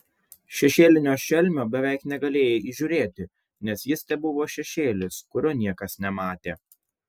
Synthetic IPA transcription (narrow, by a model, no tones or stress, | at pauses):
ʃʲɛʃʲeːlʲɪnʲoːʃʲɛlʲmʲoːbʲɛʋʲɛˑɪknʲɛɡɐlʲeːjeiːʒʲuːɾʲeːt̪ʲɪ | nʲɛsjɪst̪ʲɛbʊʋoːʃʲɛʃʲeːlʲɪskʊɾʲoːnʲiɛkɐsnʲɛmɑːt̪ʲeː